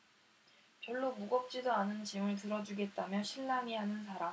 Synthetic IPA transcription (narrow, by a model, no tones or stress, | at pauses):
pjʌɭːomuɡʌp̚t͡ɕ͈idoanɯnt͡ɕimɯɭtɯɾʌd͡ʑuɡe̞t̚t͈amjʌɕʰiɭːaŋiɦanɯnsʰaɾa